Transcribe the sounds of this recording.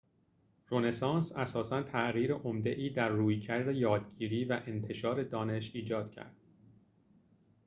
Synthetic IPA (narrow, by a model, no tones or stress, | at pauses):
ɾone̞sɑːnsæsɒːsænt̪ʰæʔɣiːɾeʔomd̪e̞ʔiːd̪æɾːuːjcʰæɾd̪ejɒːd̪ɟiːɾiːvæʔe̞nt̪ʰe̞ʃɒːɾe̞d̪ɒːne̞ʃiːd͡ʒɒːd̪̥̚cʰæ̰ɾd̪̥